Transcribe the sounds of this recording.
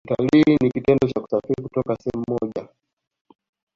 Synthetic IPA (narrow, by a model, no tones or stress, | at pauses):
ta̰linikitɛndɔt͡ʃaku̥safiɾikutɔkasɛɛm̩mɔʄa̰